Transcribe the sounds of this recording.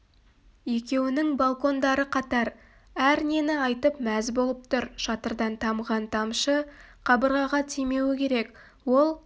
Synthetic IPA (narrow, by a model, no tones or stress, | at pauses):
je̞kʲe̞wɪnɪŋbalˠko̞nd̪ɑɾəqʰɑt̪ɑɾ | æɾne̞nɪɑjt̪əpmæzbo̞lˠəp̚t̪ʰʊɾʃɑt̪əɾd̪ɑnt̪ʰɑmʁɑnt̪ʰɑmʃəqʰɑbəɾʁɑʁɑt̪ʰijme̞wɪkʲe̞ɾe̞k | wo̞lˠ